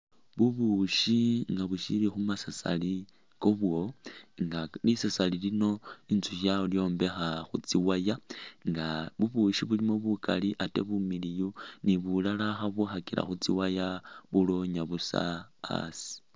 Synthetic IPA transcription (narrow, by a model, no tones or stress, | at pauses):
βuβuʃiŋɡaβuʃilixumasasa̰li | koβwo̞ŋɡalisasalilino̞int͡suʃaoljo̞ːmbe̞xaxut͡siwajaŋɡaβuβuʃiβulimo̞βuka̰liʔate̞̰βumilijuniβulalaxaβuxakila̰xut͡siwajaβulo̞ɲaβusa̰a̰si̥